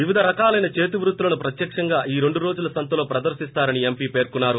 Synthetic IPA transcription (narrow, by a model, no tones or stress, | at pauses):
ʋiʋid̪ʱɐɾɐkaːlɐjnɐt͡ʃeːt̪̬iʋɾut̪ːulɐnupɾɐt̪jɐkʂɐŋɡaːʔiːɾe̞ɳɖuɾo̞ːd͡ʒulɐsɐnt̪ɐlo̞ːpɾɐd̪ɐɾʃist̪aːɾɐniempiːpe̞ːɾkunːaːɾu